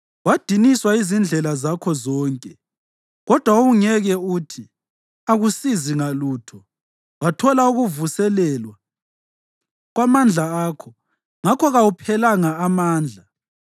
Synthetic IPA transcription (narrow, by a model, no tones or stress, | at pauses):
wad̥ʱiniswaizind͡ɮʱɛlazakʰɔzɔːŋkʼɛ | ɣɔd̥ʱwauɣuŋɛɣɛutʰi | aɣusiziŋaluːtʰɔ | watʰɔlauɣuvusɛlɛːlwa | ɣwamand͡ɮʱaaːkʰɔ | ŋakʰɔɣawupʰɛlaŋaːmaːnd͡ɮʱa